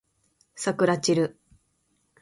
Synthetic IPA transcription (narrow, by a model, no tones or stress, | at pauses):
sakɯ̟ɾat͡ɕiɾɯ̟